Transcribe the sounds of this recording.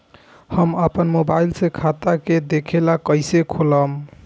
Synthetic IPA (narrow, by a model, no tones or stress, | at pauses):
həməpənmobailsekʰat̪aked̪ekʰelakəjsekʰoləm